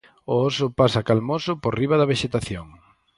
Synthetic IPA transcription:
oosʊpasakalmosʊpoɾriβ̞ɐðɐβ̞eʃet̪aθjoŋ

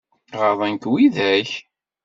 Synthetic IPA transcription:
ʁəðˤænkwiðæç

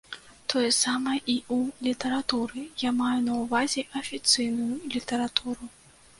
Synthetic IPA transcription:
t̪ʰɔjɛsamɐjɛʔiulʲit̪ɐɾat̪uɾɨjamajunɐwvazʲɛʔɐfʲit̪sɨjnujulʲit̪ɐɾat̪ʰuɾu

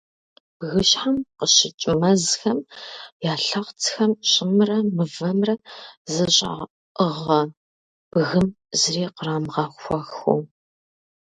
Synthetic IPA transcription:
b̥ɣɨɕħamqəɕɪt͡ʃʼmɐzxɐmjaːɬɐʁt͡sʰxɐmɕʼɪmrɐmɨvɐmrɐzɨɕʼa̰ | əʁɐ | b̥ɣɨm | zɨreːqəraːmʁɐxʷɔxṵ

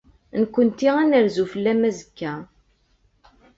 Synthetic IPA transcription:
nkʷːənt̪iænəɾzufəlːæmæzə̥kːæ

